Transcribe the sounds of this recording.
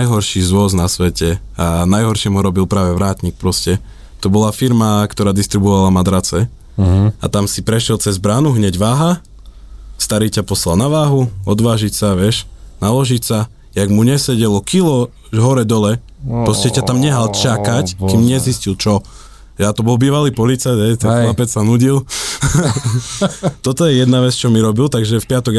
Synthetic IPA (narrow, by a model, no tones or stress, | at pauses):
ajɦɔɾʃiːzʋʊɔznasʋɛcɛanajɦɔɾʃɪɛmuɾɔbilpɾaːʋɛʋɾaːt̪ɲik̚pɾɔscɛ | t̪ɔbɔlafiɾmakt̪ɔɾaːd̪ist̪ɾibɔʋalamad̪ɾat͡sɛ | a̰t̪amsipɾɛʃjɛlt͡sɛzbɾaːnuɦɲɛɟʋaːɦa | st̪aɾiːcapɔslalnaʋaːɦuɔd̪ʋaːʒicsaʋɪɛʃnalɔʒicsa | jaɡmuɲɛsɛɟɛlɔkilɔ | ɦɔɾɛd̪ɔlɛ | pɾɔscɛcat̪amɲɛɦalt͡ʃakackimɲɛziscilt͡ʃɔ | jjat̪ɔbɔlˠbiːʋaliːpɔlit͡saj̪ɦɛjt̪ɛnxlapɛt͡ssanuɟil | t̪ɔt̪ɔjɛjɛd̪naʋɛt͡st͡ʃɔmiɾɔbilt̪aɡʒɛfpɪat̪ɔɡ